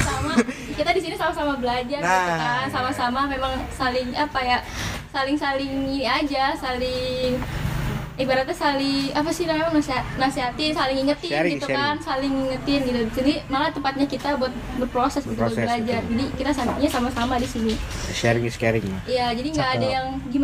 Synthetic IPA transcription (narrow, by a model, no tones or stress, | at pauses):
samakit̪adisinisamasamabəlad͡ʒarakansamasamamemaŋsalɪŋapajasalɪŋsalɪŋiniad͡ʒasalɪŋ | ibaɾat̪̚ɲasalɪŋapasilamemaŋnaseɦanaseɦat̪isalɪŋiŋət̪ɪnɡit̪ukansalɪŋiŋət̪ɪnɡit̪udisinimalat̪əmpat̪̚ɲakit̪abuat̪̚buat̪̚pɾosɛsɡit̪uəbəlad͡ʒard͡ʒadikit̪asaɲasamasamadisinisɛɾŋskɛɾɪŋaijad͡ʒadiŋɡaʔːdajaŋɡim